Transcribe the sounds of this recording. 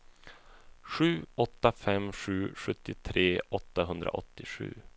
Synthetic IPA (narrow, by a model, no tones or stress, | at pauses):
ʂʉ̟ːɔt̪ːafɛmɧʉ̟ːɧɵt̪ːɪt̪ʰɾeːʔɔt̪ːaɦɵnd̪ɾa̰ʔɔ̰t̪ːɪɧʉ̟̰ː